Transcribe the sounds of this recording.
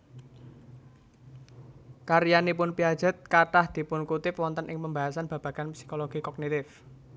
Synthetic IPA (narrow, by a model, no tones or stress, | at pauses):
kaɾijanipʊnpiad̥d͡ʒ̥ə̤t̪̚kaʈahd̪̥i̤pʊnkut̪ɪpwɔnt̪ənʔɪŋpəmbaɦasanb̥ä̤b̥a̤ɡ̥anpsi̥koloɡ̥ikɔɡ̚nit̪ɪf